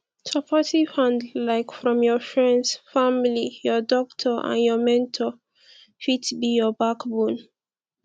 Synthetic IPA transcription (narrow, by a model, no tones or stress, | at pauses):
tʰɔpʰatifãndlaɪkfɹɔ̃mjɔfɹɛ̃ndsfamilijɔdɔktʰəʔã̰njɔmɛ̃ntʰɔ | fitbijɔbakbũn